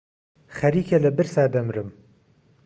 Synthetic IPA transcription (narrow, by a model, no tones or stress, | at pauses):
xɐɾiːkʰɐlɐbɨɾsaːd̪ɐmɾɨm